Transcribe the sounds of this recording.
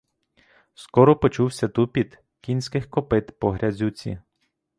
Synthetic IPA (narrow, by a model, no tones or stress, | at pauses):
skɔɾɔpɔt͡ʃuwsʲɐt̪upʲid̪ | kʲinʲsʲkɪxkɔpɪt̪pɔɦɾʲɐzʲut͡sʲḭ